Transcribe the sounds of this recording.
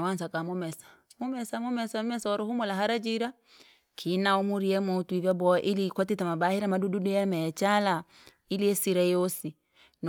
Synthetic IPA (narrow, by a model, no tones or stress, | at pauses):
wansakamɔmɛsḁmumɛsamɔmɛsamɔmɛsaɔɾɔhumɔlaɦaɾad͡ʒiɾa | kʰinaumuɾiɛmɔtivabɔʔilikɔtitamabahiɾamadududujɛmɛt͡ʃala | iliɛsiɾajosi | n